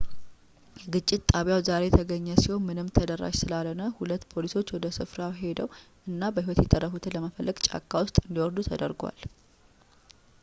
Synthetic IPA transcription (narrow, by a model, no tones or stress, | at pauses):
jɛɡɨt͡ʃʼːɪt̪t̪ʼaβjawzaɾe̞t̪ʰəɡəɲːəsiho̞nmɨnɨmt̪ʰəd̪ərːa̰ʃsɨlalənəhulət̪ːpʰo̞liso̞t͡ʃːwɔd̪əsɨfɾawɦe̞d̪əwʔɨnːabəhiwɔt̪jɛt̪ʼərːəfut̪ʰɨləməfəlːəɡt͡ʃʼa̰kʰʼːawʊst̪ʼɨnd̪iwɔɾd̪ut̪ʰəd̪əɾɡwa̰l